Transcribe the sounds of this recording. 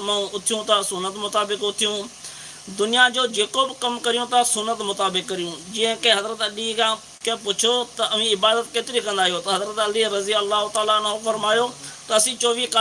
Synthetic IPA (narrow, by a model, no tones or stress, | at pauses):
mɛ̃ʊt̪ʰɪjũːt̪asʊnːət̪mʊt̪aːbɪkʊt̪ʰɪjũː | d̪ʊnɪjaːd͡ʒoːd͡ʒeːkoːbɪkəmkəɾɪjõːt̪asʊnːət̪mʊt̪aːbɪkːəɾɪjũːd͡ʒɪːə̃kẽɦəzɾət̪əɗiːkã | kẽːpʊt͡ʃʰoːt̪əəʋ̤ĩːɪbaːd̪ət̪̚keːt̪ɪɾikə̃nd̪aːɦijoːt̪ɐɦəzɾət̪ɐliːɾəziəlːaːɦʊt̪aːlaːnofəɾmaːjoːt̪ɐəsĩːt͡ʃoːʋiːka